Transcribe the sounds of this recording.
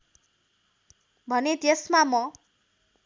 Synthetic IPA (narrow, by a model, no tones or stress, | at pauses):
bʱʌnet̪esmamʌ